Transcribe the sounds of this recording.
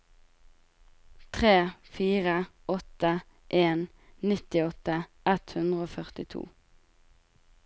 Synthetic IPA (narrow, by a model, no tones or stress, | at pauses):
t̪ʰʁeːfiːʁə | ɔt̪ə | ʔeːn | nɪt̪ɪɔt̪əʔɛt̪hʉnd̪ʁəoːfœʁt̪ɪt̪ʰṵː